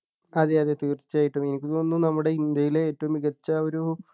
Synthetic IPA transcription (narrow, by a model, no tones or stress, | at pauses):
ɐðeɐðet̪iːrt̪i̥t͡ɕːaːjiʈːɐme̞nikʲːit̪onːunɐmːuɽe̞ind̪jɐjileeːtːɐʋumiɣɐt͡ɕːɐo̞ɾu